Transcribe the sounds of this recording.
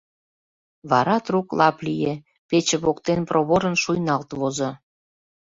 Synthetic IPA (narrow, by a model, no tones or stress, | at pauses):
βɑɾɑt̪ruklɑplije | pet͡ɕĕβokt̪enprʔoβoɾənʃujnɑlt̪βozŏ